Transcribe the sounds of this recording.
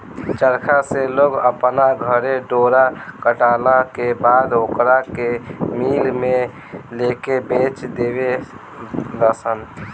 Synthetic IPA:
t͡ʃəɾkʰaseloɡəpnaɡʱəɾeɖoːɾakəʈalakebaːd̪okɾakemilme | lekebet͡ʃd̪ebe | ləsən

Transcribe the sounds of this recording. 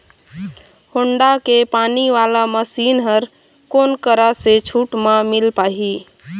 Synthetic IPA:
hoɳɖakepaniʋalaməsinɦəɾ | konkəɾaset͡ʃʰuʈmamilpaɦi

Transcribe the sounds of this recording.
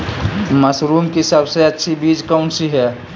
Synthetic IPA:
məsɾumkesəbseətːʃʰibiːd͡ʒkaʊɳsiɦɛ

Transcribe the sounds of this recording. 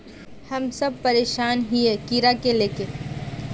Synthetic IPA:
hɐmsɐb̚pɐɾeːʃaːnɦiekiːɾakeleːke

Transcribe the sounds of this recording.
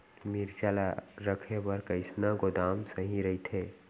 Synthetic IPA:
miɾt͡ʃalaɾəkʰebəɾkəɪsnaɡod̪aːmsəɦĩɾəit̪ʰe

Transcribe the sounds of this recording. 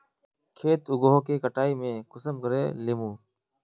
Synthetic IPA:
kʰeːt̪ʊɡoɦoːkeːkəʈaːiːmẽːkʊsəmkəɾḛːleːmũː

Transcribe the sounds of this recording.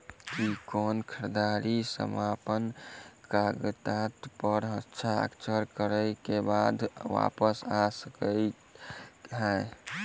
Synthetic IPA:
kikonkʰəɾd̪aɾisə̰mapənkaɡət̪at̪pəɾɦətːʃʰaə̰kt͡ʃʰəɾkəɾəɪkebad̪ʋa̰pəsasəkə | ɦɛ

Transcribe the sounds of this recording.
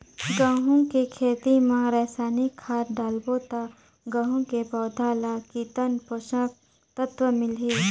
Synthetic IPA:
ɡãːɦũkekʰeːt̪imãɾɛːsaːnikʰːaːɾɖaːlboːt̪a | ɡɐ̃ɦũkepɔːd̪ʱaːlakit̪ənpoʃãːk̚ | t̪ət̪ʋəmɪlɦiː

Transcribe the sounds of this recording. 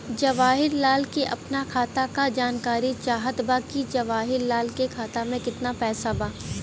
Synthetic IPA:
d͡ʒɐʋaːɦɪɾlaːlkeʔɐpnakʰaːt̪akad͡ʒaːnkaːɾit͡ʃaːɦət̪baːkid͡ʒɐʋaːɦɪɾlaːlkekʰaːt̪amẽkɪt̪napɛːsabaː

